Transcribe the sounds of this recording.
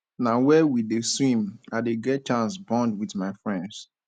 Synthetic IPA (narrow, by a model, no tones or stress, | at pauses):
nawɛwideswĩmaɪdeɡɛt̚t͡ʃãnsbɔ̃ndwiθmaɪfɹɛ̃nds